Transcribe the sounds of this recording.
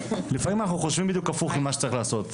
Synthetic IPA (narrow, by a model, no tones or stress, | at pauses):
lifamimanaχnuχoʃvimbid̪jukafuχimːaʃe̥t͡saʁiχlaːso̞t̪